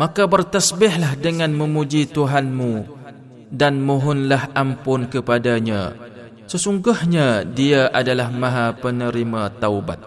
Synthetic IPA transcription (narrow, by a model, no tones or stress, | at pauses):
makabərt̪asbɪhlahdəŋãnmə̃mũd͡ʒit̪uɦanmũ | danmuɦʊnlahʔampʊnkəpadaɲã̰ | səsuŋɡʊhɲadiaʔadalahmãɦapənəɾimat̪awba̰t̪̚